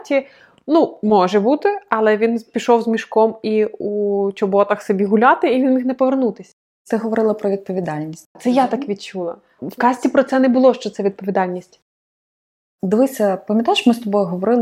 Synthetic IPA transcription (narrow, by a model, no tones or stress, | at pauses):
tʲi | numɔʒɛbut̪ɪɐlˠɛʋʲinpʲiʃɔwzmʲiʃkɔmiut͡ʃɔbɔt̪ɐxsɔbʲiɦʊlʲɑt̪ɪiʋʲinjixnɛpɔʋernut̪ɪsʲɐ | t̪sɛɦɔʋɔɾɪlˠɐpɾɔʋʲid̪̚pɔʋʲid̪ɑlʲnʲisʲtʲt̪sɛjat̪ɑkʋʲid̪̚t͡ʃulˠɐ̰ | wkɑsʲtʲipɾɔt̪sɛnɛbʊlˠɔʃt͡ʃɔt̪sɛʋʲid̪̚pɔʋʲid̪ɑlʲnʲisʲtʲ | d̪ɪʋɪsʲɐpɐmʲjɐt̪aɪʃmɪst̪ɔbɔjʊɦɔʋɔɾɪlˠ